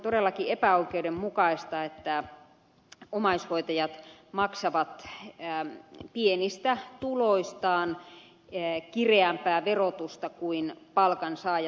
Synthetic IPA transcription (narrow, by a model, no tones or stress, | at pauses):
t̪odelːɑkiepæoikeudemmukɑist̪ɑet̪ːæ | omɑishoit̪ɑjɑt̪mɑksɑʋɑt̪ː | pienist̪æt̪uloist̪ɑːn | kireæmpæːʋerot̪ust̪ɑkuinpɑlkɑnsɑːj